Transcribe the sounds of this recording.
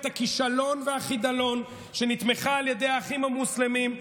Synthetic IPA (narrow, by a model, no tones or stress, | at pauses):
t̪akiʃalo̞nveaχid̪alo̞n | ʃe̞nit̪meχaːljede̞jaːχimamuslemim